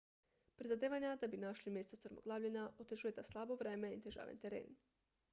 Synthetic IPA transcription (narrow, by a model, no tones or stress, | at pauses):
pɾizad̪eːʋaɲad̪abinaʃlimjest̪ot̪sɾmo̰ɡlˠaːʋlʎenaʔot̪eʒuje̞t̪aslˠabo̞ʋɾeːme̞it̪eʒa̰ːʋent̪eɾḛːn